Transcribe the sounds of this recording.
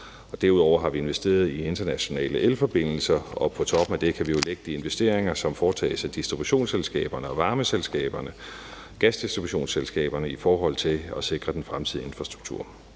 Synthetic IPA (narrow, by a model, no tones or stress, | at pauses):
ɒ̽d̥æɐuð̞ˠɒ̰ʊ̰ɐɦɑ̈ʋie̝nʋesd̥e̝̰ːɐð̞ˠie̝nd̥ɐnæɕo̝nɛ̰ːləʔelfɒ̽b̥e̝n̰l̩sɐɒ̽pʰɒ̽t͡sʰɒ̽b̥m̩æd̥e̝kʰæʋio̝leɡ̥əd̥ie̝nʋesd̥e̝ɐ̰eŋɐsɒ̽mfɒːt͡sʰɛ̰ːɪsæd̥isd̥ʁib̥uɕo̝̰ːnselsɡ̥ɛ̰ːb̥ɐnəɒ̽ʋɑ̈ːməselsɡ̥ɛ̰ːb̥ɐnə | ɡ̥æsd̥isd̥ʁibuɕo̝̰ːnselsɡ̥ɛ̰ːb̥ɐnəifɒːɦɒ̽l̰t͡sʰe̝ɒ̽se̝ɡ̥ʁɐd̥enfʁamt͡sʰið̞̰ˠie̝nfʁɑ̈sd̥ʁuɡ̥̚t͡sʰṵɐ̰